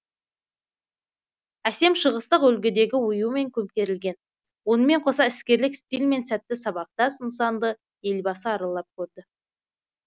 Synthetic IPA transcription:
æse̞mʃəʁəst̪əqɵlɡʲɪd̪e̞ɡʲɪwʊjume̞ŋkʲʰɵmkʲe̞ɾɪlɡʲe̞n | wo̞nəme̞ɴqʰo̞s̬ɑɪskʲe̞ɾlɪkst̪ilme̞nsæt̪ːɪsɑβɑq̚t̪ɑsəms̬ɑnd̪ə | e̞lbɑsəɑɾɑlˠːɑp̚kʲʰɵɾd̪ɪ

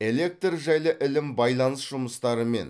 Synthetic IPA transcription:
e̞le̞k̚t̪rʒæjlˠəʔɪlɪmbɑjlˠɑnəsʒ̥ʊməst̪ɑɾəme̞̰n

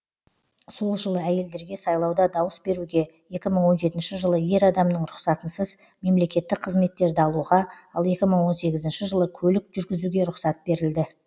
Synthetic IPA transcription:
so̞lˠʒəlˠəæje̞ld̪e̞ɾɡʲe̞sɑjlˠɑwd̪ɑd̪ɑwəsbe̞ɾuɡʲe̞je̞kʲɪməɴwo̞nʒe̞t̪ɪnʃɪʒəlˠəje̞ɾɑd̪ɑmnəɴɾʊqsɑt̪ənsəz | me̞mle̞kʲe̞t̪ːɪk̚qʰəzme̞t̪ːe̞ɾd̪ɪɑlˠuʁɑɑlˠe̞kʲɪməɴwo̞nse̞ɡʲɪzɪnʃɪʒəlˠəkʲʰɵlɪkʒʏɾɡʲɪzuɡʲe̞ɾʊqsɑt̪̚be̞ɾɪld̪ɪ

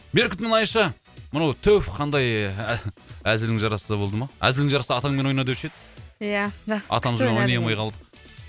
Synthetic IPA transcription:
beɾkɪt̪mɪnɑjəʃɑ | mənɑwt̪ʰɵwfqʰɑnd̪ɑj | æzɪɾd̪ɪŋʒɑɾɑsəd̪ɑbo̞lˠd̪əmɑæ̰zɪld̪ɪŋʒɑɾɑsɑːt̪ɑŋmenojnɑd̪wʏʃed̪ɪ | jaʒɑɑ̰t̪ɑməzmenojnɑjɑmɑjqʰɑlˠd̪əq

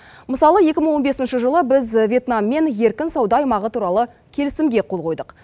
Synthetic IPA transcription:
məsɑlˠəje̞kʲɪməɴwo̞nbe̞sɪnʃəʒəlˠəbɪzvʲje̞t̪nɑmːe̞nje̞ɾkʲɪnsɑwd̪ɑːɑjmɑʁət̪ʰuɾɑlˠə | kʲʰe̞lɪsɪmɡʲe̞qʰo̞lˠʁo̞jd̪əq

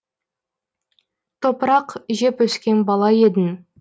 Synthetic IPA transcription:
t̪ʰopəɾɑqʒe̞pwɵskʲe̞nbɑlˠɑje̞d̪ɪn

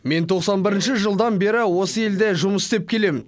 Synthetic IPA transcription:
me̞nt̪ʰo̞qsɑnbɪɾɪnʃɪʒəlˠd̪ɑnbe̞ɾɪwo̞səe̞ld̪eʒʊməsst̪ep̚kʲʰe̞le̞mɪn

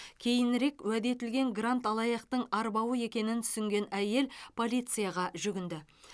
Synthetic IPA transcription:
kʲʰe̞jɪnɾe̞kwæd̪e̞t̪ɪlɡʲe̞ŋɡrant̪ɑlˠɑjɑqt̪əɴɑɾbɑwəe̞kʲe̞nɪnt̪ʰʏ̥sʏŋɡʲe̞næje̞lpʰo̞lijt̪sɨjaʁɑʒʏɡʲɪnd̪ɪ

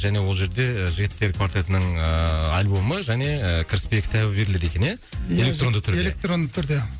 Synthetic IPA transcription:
ʒæne̞wo̞lˠʒe̞ɾd̪e̞ʒɪɡʲɪt̪ːe̞ɾkʰvaɾt̪et̪ənəɴəɑlʲbo̞məʒæne̞kʲʰɪɾɪspe̞jkʲʰɪ̥t̪ʰæbɪbe̞ɾɪle̞d̪e̞kʲe̞nje | ele̞kt̪ro̞nd̪ət̪ʰʏɾdelek̚t̪ro̞nd̪ət̪ʰʏɾd̪e

